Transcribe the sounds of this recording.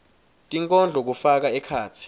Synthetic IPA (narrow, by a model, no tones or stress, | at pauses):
tʼiŋkʼɔnd͡ɮʱɔk̬ufak̬aɛkʰaːt͡sʰi̥